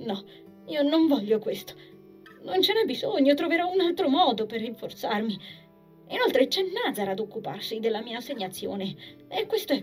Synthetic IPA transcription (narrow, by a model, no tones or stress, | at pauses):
nɔ | iːonoɱvɔʎːokwest̪o̥ | nont͡ʃɛɾabizoɲːot̪ɾoveɾɔunalt̪ɾomɔːd̪operːiɱfort̪sarmi | inolt̪ɾet͡ʃɛnːad̪zaɾaːd̪okːuparsid̪elːamiːaːseɲːat̪sːjo̰ːneekːwest̪oɛ